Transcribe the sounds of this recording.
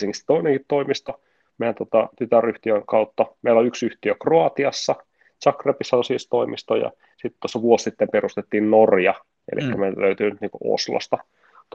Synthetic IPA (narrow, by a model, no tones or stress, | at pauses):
siŋkist̪oineŋkit̪t̪oimist̪o | mejænt̪ot̪ɑt̪yt̪æryht̪iøŋkɑut̪ːɑmeilːoyksyht̪iøkroɑt̪iɑsːɑ | t͡ʃɑkrepisːɑosist̪oimist̪ojɑ̰ | sit̪t̪uosːɑʋuossit̪ːemperust̪et̪ːiːnnorjɑ | ḛlḭkːæmeløyt̪yːnyt̪niːŋkṵo̰slo̰st̪ɑ | t̪